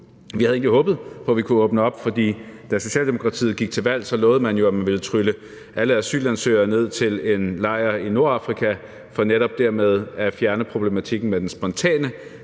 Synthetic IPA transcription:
ʋihæð̩ˠe̝ɡŋdliɦɔ̽ːb̥ð̩ˠpʰɒ̽ʋikʰuɔːb̥nəɒ̽b̥fɒ̽d̥ḭːd̥æso̝ɕɛ̰ːld̥e̝mo̝kʰʁɑ̈t͡sʰḭːð̩ˠɡ̥iɡ̥̚t͡sʰe̝lʋæl̰sɒ̽lɔ̽ːð̞̩ˠəmænjo̝æmænʋe̝lət͡sʰʁylə | ʔæləæsy̰ːlænsø̰ːɐne̝ð̞̰ˠt͡sʰe̝le̝nlɑ̈ɪ̰ɐino̝ɐɑ̈fʁikʰæ | fɒ̽neɾɒ̽b̥̚d̥æɐmeð̞ˠæfjæɐnəpʰʁo̝b̥le̝mæt͡sʰiɡ̥n̩med̥ensb̥ɒ̽nt͡sʰɛ̰ːnə

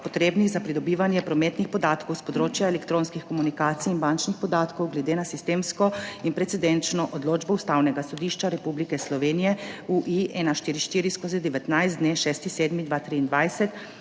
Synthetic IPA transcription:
pɔt̪ɾeːbniɣzapɾid̪ɔbiːʋanjɛpɾɔmɛt̪nixpɔd̪aːt̪kɔwspɔd̪ɾoːt͡ʃjaɛlɛkt̪ɾõːnskixkɔmunikaːt̪siinbant͡ʃnixpɔd̪aːt̪kɔwɡlɛd̪eːnasist̪eːmskɔinpɾɛt̪sɛd̪ɛnt͡ʃnɔʔɔd̪loːd͡ʒbɔust̪awnɛɡasɔd̪iːʃt͡ʃaɾɛpublikɛslɔʋeːnijɛuʔiʔɛnaʃt̪iːɾiʃt̪iːɾiskozid̪ɛʋɛt̪najzd̪neʃɛːst̪iseːd̪mid̪ʋat̪ɾiːnd̪ʋajsɛt̪

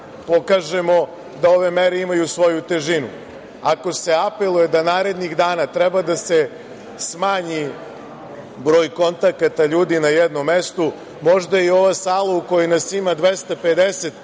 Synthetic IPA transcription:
po̞kaʒe̞mo̞ | d̪ao̞ʋe̞meɾe̞imajusʋo̞jut̪e̞ʒinṵ | ako̞se̞ape̞lˠuje̞d̪anaːɾe̞d̪niɣd̪aːnat̪ɾɛbad̪ase̞ | smaːɲi | bɾo̞ːjko̞nt̪akat̪aʎuːd̪inajed̪no̞mːest̪o | mo̞ʒd̪ajio̞ʋasaːlˠauko̞jenasimad̪ʋe̞st̪aped̪ese̞t̪

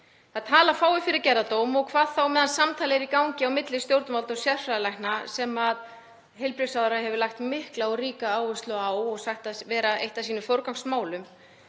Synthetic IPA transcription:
θaðt̪ʰaːlafaːwɪfɪɾɪɾcɛɾðat̪oːwmɔɣkʰvaːðθawmɛðansamt̪ʰaːlɪɛɾikawɲcɪawmɪt̪lɪst̪jowɾt̪ʏmalt̪ɔsjɛð̥fɾaðlajhnasɛmað | ɦeɪjlpɾɪsawðʏɾaɦɛvʏlaxt̪mɪhklaɔɣɾiːkaaːwʏst̪lʏawɔɣsaht̪avɛːɾaejht̪asiːnʏfowɾkawŋsmaːwlʏm

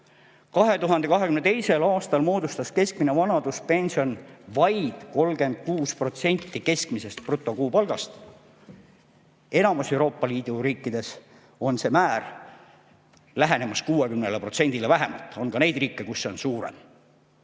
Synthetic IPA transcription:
kɑɦe̞t̪uɦɑnd̪̥e̞kɑɦekymnet̪ejse̞lɑːst̪ɑlmo̞ːd̪ust̪ɑske̞skmine̞vɑnɑd̪̥uspe̞nʲsio̞nvɑjd̪̥ko̞lɡ̥e̞nd̪̥̚kuːspro̞t̪se̞nʲt̪ːike̞skmise̞st̪̚prut̪ˑːo̞kuːpɑlɡ̥ɑst̪ | e̞nɑmuse̞wɾo̞ːpːˑɑliːd̪̥uɾiːkːid̪̥e̞s | o̞nse̞mæːr | læɦene̞mɑskuːe̞kymnelepro̞t̪se̞nʲd̪ilevæɦe̞mɑ̰lt̪ːˑo̞nkɑne̞jd̪̥riːkːˑekusːo̞nsuːɾḛm

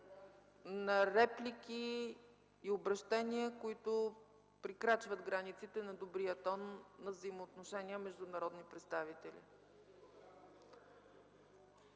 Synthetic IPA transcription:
nɐɾɛplʲikʲiː | obɾɐʃt̪ɛniəkoit̪ʊ | pɾikɾat͡ʃvəd̪ɡɾanit̪sit̪ɛnɐd̪obɾijət̪ɔnːɐvzəjimoːt̪noʃɛnʲiəmɛʒd̪ʊnɐɾɔd̪nipɾɛt̪st̪avit̪ɛlḭ

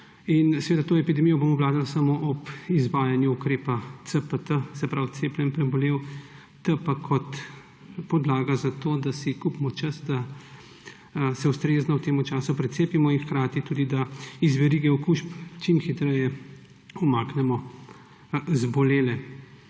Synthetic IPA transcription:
insɛʋeːd̪at̪oːɛpid̪ɛmijɔbomɔwlaːd̪alsamoʔɔpizʋaːjanjuukɾeːpat̪səpət̪əsɛpɾawt̪seːplʲɛnpɾɛbɔleːw | t̪əpakʰɔt̪ | pɔd̪laːɡazat̪oːd̪asikupmɔt͡ʃɐsd̪a | sɛust̪ɾeːznɔwt̪eːmut͡ʃaːsupɾɛseːpimɔinxkɾaːt̪it̪uːd̪id̪aizʋɛɾiːɡɛɔkuːʃpt͡ʃimxit̪ɾɛjɛ | umaːknɛmɔ | zbɔleːlɛ

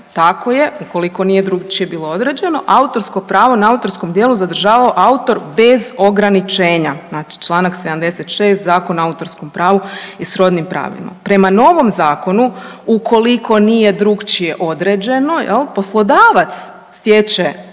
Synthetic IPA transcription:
t̪ako̞je̞uko̞liko̞nije̞d̪ɾuɡt͡ʃije̞biːlˠo̞od̪ɾe̞d͡ʑe̞no̞ʔaut̪o̞ɾsko̞pɾaːʋo̞naaut̪o̞ɾskomd̪jeːlˠuzad̪r̩ʒaːʋaoʔaut̪o̞ɾbe̞zo̞ɡɾanit͡ʃeːɲaznat͡ʃi̥t͡ʃlˠaːnakse̞d̪amd̪e̞set̪ʃe̞ːst̪zaːko̞naaut̪o̞ɾsko̞mpɾaːʋoisɾo̞d̪nimpɾa̰ːʋḭma̰pɾe̞mano̞ʋo̞mzaːko̞nuukʰo̞likʰo̞nije̞d̪ɾuɡt͡ʃije̞ʔo̞d̪ɾed͡ʑe̞no̞jḛlˠpo̞slˠo̞d̪aːʋat̪sː | t̪jet͡ʃe

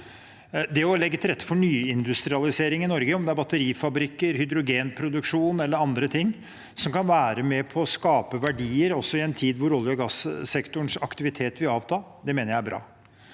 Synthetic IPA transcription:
d̪ɛɔlɛɡːət̪ʰɪlɾɛt̪ːə̥fɔɳyːɪnd̪ʉst̪ɾɪɑlɪseːɾɪŋɪnɔɾɡəɔmd̪ɛæɾbɑt̪ːəɾiːfɑbɾɪkːəɾhʏd̪ɾʊɡeːnpʰɾʊd̪ʉkʂuːnɛlːəɾɑnd̪ɾət̪ʰɪŋː | sɔmkɑnʋæːɾəmɛpʰɔːskɑːpəʋæɖiːəɾɔsːɔɪɛnt̪ʰiːd̪ʋʊɾɔlːjɔɡɑssɛkt̪ʊɳʂɑkt̪ɪʋɪt̪ʰeːt̪ʋɪlɑːʋt̪ʰɑːd̪ɛmeːnəɾjæɪæbɾʔɑ̰ː

